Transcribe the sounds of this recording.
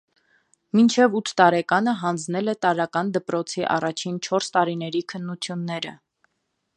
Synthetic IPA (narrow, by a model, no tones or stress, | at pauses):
mint͡ʃʰɛvut̪ʰːɑɾɛkɑnəɦɑnd͡znɛlɛt̪ɑɾɑkɑnd̪əpɾɔt͡sʰiʔɑ̰rɑt͡ʃʰint͡ʃʰɔɾst̪ɑɾinɛɾikʰənːut͡sʰjunːɛɾə̰